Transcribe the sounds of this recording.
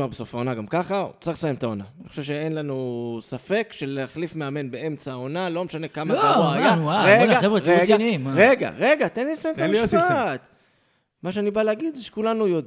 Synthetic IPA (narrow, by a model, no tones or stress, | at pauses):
maʁbeso̞faonaɡamkaχa̰t͡sʁiχsajemt̪aonaniχo̥ʃevʃeenlanusafe̞kʃeleaχlifmeame̞nbee̞mt͡saːonalo̞meʃane̞kamaaoajnuaʁeɡaevʁeeɡanʁeɡa̰ʁe̞ɡat̪enlisajemt̪taiat̪ | maʃeanibaleaɡid̪zeʃe̥kulanujod